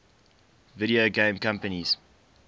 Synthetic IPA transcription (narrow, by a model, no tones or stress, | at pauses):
vɪɾioɡẽːmkãmpəniz̥